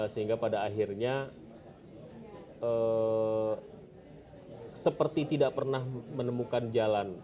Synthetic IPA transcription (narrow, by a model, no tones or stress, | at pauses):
səɦiŋɡapadaːɦirɲa | ə | səpərt̪it̪idaʔpərnahmənəmukand͡ʒalan